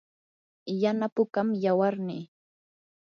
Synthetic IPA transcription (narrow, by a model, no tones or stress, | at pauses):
janapʊkamjawaɾnɪ